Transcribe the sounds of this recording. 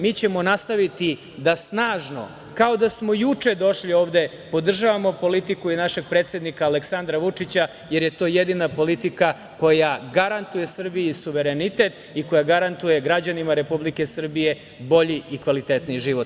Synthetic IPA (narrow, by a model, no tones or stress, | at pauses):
miːt͡ɕe̞mo̞nast̪aʋit̪i | d̪asnaːʒno̞̰ | kao̞d̪asmo̞jut͡ʂe̞d̪o̞ʃlio̞ːʋd̪e̞ | po̞d̪r̩ʒaʋamo̞po̞lit̪ikuinaʃe̞ɡ̚pɾe̞ːt̪sjed̪nikaːleksand̪ɾaʋut͡ʂit͡ɕa | jeɾje̞t̪o̞ːjed̪inapo̞lit̪ika | ko̞jaɡaɾant̪uje̞sr̩bijusuʋe̞ɾe̞nit̪e̞t̪ | iko̞jaɡaɾant̪uje̞ɡɾad͡ʑanimaɾe̞publike̞sr̩bije̞ | bo̞ʎiikʋalit̪et̪niʒiʋo̞t̪